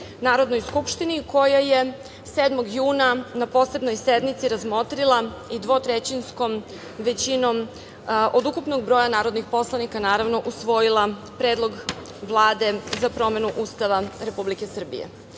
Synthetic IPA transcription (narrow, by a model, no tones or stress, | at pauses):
naːɾo̞d̪nojskupʃt̪iniko̞jaje̞ | seːd̪moɡjuːnanapo̞se̞bno̞jsed̪mit̪siɾazmo̞t̪ɾilˠaid̪ʋo̞t̪ɾet͡ɕinsko̞m | ʋe̞t͡ɕinom | ʔod̪ukupnoɡ̚bɾo̞ːjanaːɾo̞d̪nixpo̞slˠanikanaːɾavno̞ʔusʋo̞jilˠa | pɾeːd̪lˠo̞ɡ | ʋlˠaːd̪e̞zapɾo̞me̞nuʔuːst̪aʋaɾe̞publike̞sr̩bḭjḛ